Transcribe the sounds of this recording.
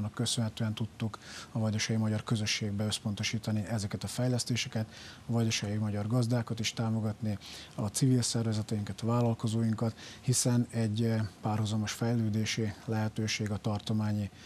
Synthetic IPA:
nɒkːø̞sønɦɛt̪øːɛnt̪ut̪ːukɒvɒɟoʃɛjimɒɟɒrkø̞zøʃːeːɡbɛøspo̞nt̪o̞ʃiːt̪ɒniɛzɛkɛt̪ɒfɛjlɛst̪eːʃɛkɛt̪ɒvɒɟoʃɛjimɒɟɒrɡɒzd̪aːkɒt̪iʃt̪aːmo̞ɡɒt̪niɒt̪sivilsɛrvɛzɛt̪ɛjiŋkɛt̪ɒvaːlɒlko̞zoːjiŋkɒt̪hisɛnɛɟpaːrɦuzɒmo̞ʃfɛjløːd̪eːʃilɛɦɛt̪øːʃeːɡɒt̪ɒrt̪o̞maːɲi

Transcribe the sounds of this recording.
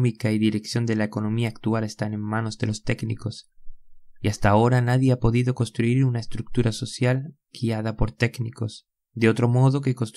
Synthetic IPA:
mikaiðiɾe̞ksjo̞nd̪e̞laeko̞no̞miaːkt̪uale̞st̪anenmano̞zðe̞lo̞st̪e̞ɡnḭko̞s | iast̪ao̞ɾanaðje̞apo̞ðiðo̞ko̞nst̪ɾuiɾunaest̪ɾuk̚t̪uɾaso̞sjal | ɡ̥iað̞apo̞ɾt̪e̞kniko̞s | d̪eo̞t̪ɾo̞mo̞ð̞o̞ke̞ko̞nst̪

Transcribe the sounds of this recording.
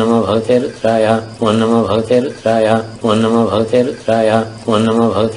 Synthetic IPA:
ɐmɐbʱɐɡt̪eːɾut̪ɾaːjaʋonːɐmɐbʱɐɡt̪eːɾut̪ɾaːjʋonːɐmɐbʱɐɡt̪eːɾut̪ɾaːjaʋonːɐmɐbʱɐɡt̪

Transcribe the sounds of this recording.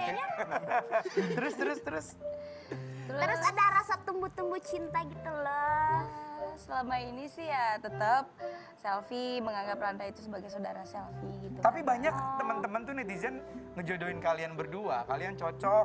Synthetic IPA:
t̪əɾʊst̪əɾʊst̪əɾʊs | əɾʊəɾʊadaɾasat̪əmbut̪əmbut͡ʃint̪aɡit̪ulɔ | səlamainisɪhjat̪ət̪əp̚ | sɛlfiməŋaŋɡaplandait̪usəbaɡajsawdaɾasɛlfiɡit̪ukt̪apibaɲak̚t̪əmənt̪əmənt̪unɛt̪izɛnŋəd͡ʒodoɪnkalianbərduakaliant͡ʃɔt͡ʃɔ

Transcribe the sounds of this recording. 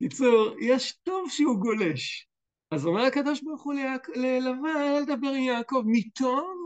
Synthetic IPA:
kit͡suʁjeʃt̪ovʃeuɡole̞ʃ | azomeʁakad̪o̞ʃboʁχulaklelavaled̪abeʁimjaːko̞vmit̪om

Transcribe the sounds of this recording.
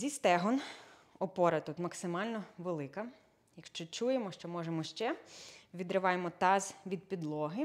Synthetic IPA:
zʲist̪ɛɦɔnɔpɔɾɐt̪ut̪mɐksɪmɑlʲnɔʋelˠɪkɐ | jɐkʃt͡ʃɔt͡ʃujemɔʃt͡ʃɔmɔʒemɔʃt͡ʃɛʋʲid̪ɾɪʋɑjemɔt̪ɑzʋʲid̪̚pʲid̪lˠɔɦɪ

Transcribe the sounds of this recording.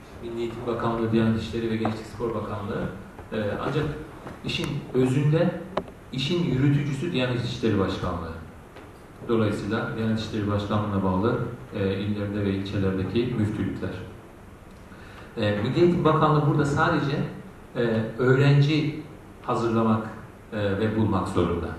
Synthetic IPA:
milːʲijet̪ʰimbakʰanlˠɯd̪ijænit̪ʰi̥ʃlʲe̞ɾivɛɟɛt͡ʃt͡ʃ̪ʰɛ̥cʲspʰo̞ɾbakʰanlˠɯɯ | ɛːa̰nd͡ʒak | iʃinø̞zynd̪ɛ | iʃinjyɾyt̪ʰyd͡ʒysyd̪ijænit̪ʰi̥ʃlʲe̞ɾibaʃkʰanlˠɯɯ | d̪̥o̞lˠajɯsɯjlˠad̪ijɛnɛt̪ʰiʃlʲe̞ɾibaʃkʰanˠɯːnˠabaːlˠɯilʲlːʲeɾind̪ɛvɛilʲt͡ʃʰe̞lʲæɾd̪ecʰimyft̪ʰylʲycʰʲlʲæɾ̝̥ | ɛːmilʲejt̪ʰibakʰanlˠɯbuɾd̪asaːd̪e̞d͡ʒɛ | ø̞ːɾænd͡ʒi | hazɯɾlˠamakː | vɛbulˠmakzo̰ɾṵnd̪a̰

